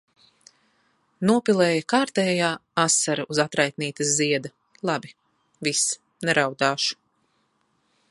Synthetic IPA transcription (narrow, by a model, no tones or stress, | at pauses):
nuɔpilˠɛːjɐkaːɾt̪ɛːjaːasːaɾɐʔuzat̪ɾajt̪̚niːt̪ɐsziɛd̪ɐ | lˠabi | vis | nɛɾawd̪aːʃu̥